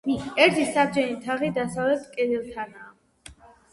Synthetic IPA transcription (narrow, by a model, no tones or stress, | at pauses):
ɛɾt̪ʰisabd͡ʒɛnit̪ʰaʁid̪asavlɛp̚t̪ʰkʼɛd̪ilˠt̪ʰanaː